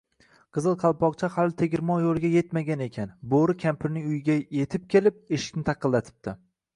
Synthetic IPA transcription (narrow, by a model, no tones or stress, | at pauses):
qʰɨzɨlˠqʰɑlˠpʰɒqt͡ʃʰahalɪt̪ʰe̞ɡʲɪɾmɒjolˠɡʲaje̞t̪maɡʲane̞kʲʰanboɾɪkʲʰampʰɪɾnɪŋʊjɪɡʲaje̞t̪ʰɪp̚kʲʰe̞lɪp̚eʃɪ̥kʲnɪt̪ʰɑqʰːɨlˠːat̪ʰɪ̥p̚t̪ʰɪ